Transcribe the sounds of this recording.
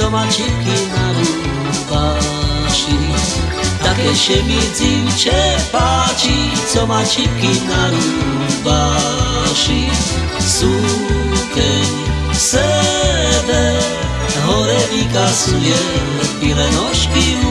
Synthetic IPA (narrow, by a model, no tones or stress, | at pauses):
ɔmat͡ʃikinaɾu | baʃi | t̪akɛʃɛmit͡siwt͡ʃɛpat͡ʃit͡sɔmat͡ʃikinaɾu | ba | ʃi | su | kɛɲ | sɛ | b̪ɛ | ɦɔɾɛvikasujɛ | t̪ilɛnɔʃki